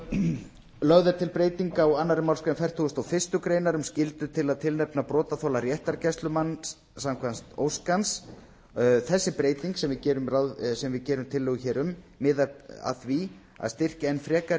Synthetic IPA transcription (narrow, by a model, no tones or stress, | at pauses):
lœɣðʏɾt̪ʰɪlpɾeːjt̪iŋkawanːaɾɪmawlskɾanfɛr̥t̪ʰuɣʏst̪awfɪ̥st̪ʏkɾeːjnaɾʏmscɪlt̪ʏt̪ʰɪlaðt̪ʰɪlnɛpnapɾɔːt̪aθowlaɾjɛht̪aɾcɛst̪lʏmanː | samkʰvanst̪o̰wskans | θɛsːɪpɾeːjt̪iŋksɛmvɪcɛːɾʏmrawsɛmvɪðcɛːɾʏmt̪ʰɪlːʏːɣʏçɛːɾʏmː | ɪːðaa̰θvi | a̰ðst̪ɪr̥caɛnːfɾɛːka